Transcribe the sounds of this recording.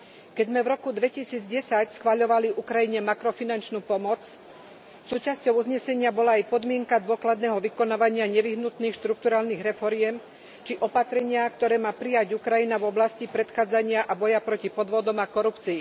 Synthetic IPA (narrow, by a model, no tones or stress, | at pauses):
kɛɟzmɛvɾɔkud̪ʋɛcisiːd͡zɟɛsacsxʋaʎɔʋaliʔukɾajiɲɛmakɾɔfinant͡ʃnuːpɔmɔt͡s | suːt͡ʃascɔʊuzɲɛsɛɲɪabɔlaːjpɔd̪mɪɛŋkad̪ʊɔklad̪nɛːɦɔʋikɔnaːʋaɲɪaɲɛʋiɦnut̪niːxʃt̪ɾuk̚t̪uɾaːlniːɣɾɛfɔɾɪɛm | t͡ʃiʔɔpat̪ɾɛɲɪakt̪ɔɾɛːmaːpɾijaɟukɾajinavɔblascipɾɛt̪xaːd͡zaɲɪaʔabɔjapɾɔcipɔd̪ʋɔd̪ɔmakɔɾupt͡siː